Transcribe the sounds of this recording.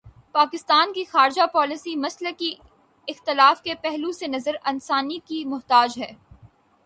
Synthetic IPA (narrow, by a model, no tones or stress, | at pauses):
paːkɪst̪aːnkixaːɾd͡ʒapɔːlɪsimɐsləki | ɪxt̪ɪlaːfkepɛɦlusenɐzəɾɐnsaːnikimʊɦt̪aːd͡ʒɦɛː